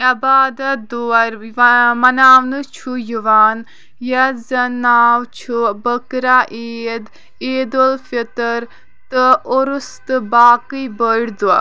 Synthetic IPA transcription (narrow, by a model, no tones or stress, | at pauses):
ɐbaːd̪ɐd̪uɐɾmɐnaːwnɨt͡ʃʰujuʋaːn | jɐzɐnaːwt͡ʃʰubəkɾaʔeːd̪ | eːd̪olfit̪ɐɾ | t̪ɨoɾust̪ɨbaːkɨjbəɽd̪ua